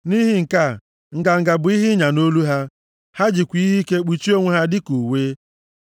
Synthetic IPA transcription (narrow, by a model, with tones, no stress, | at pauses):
ni˦ɦi˦ŋ̩˨ka˦˨ | ŋ̩˨ɡa˨ŋ̩˨ɡa˨bʊ˨˦i˦ɦɪ˦ɲa˨no˦lu˦ɦa˦ | ha˦d͡ʒi˨kʷi˦ɦi˦ke˦k͡pi˨t͡ʃi˦o˦ŋʷe˦ɦa˦dɪ˦ku˨weː˦